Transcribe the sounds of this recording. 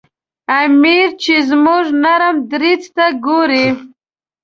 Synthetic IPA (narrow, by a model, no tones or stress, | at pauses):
amiɾt͡ʃezmuʐnaɾəmd̪ɾit͡st̪aɡoɾi